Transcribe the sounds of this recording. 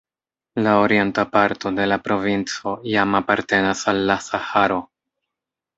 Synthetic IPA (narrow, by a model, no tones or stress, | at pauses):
laoɾie̞ntapaɾto̞de̞lapɾo̞vint͡so̞jamapaɾte̞nasalːasahaɾo̞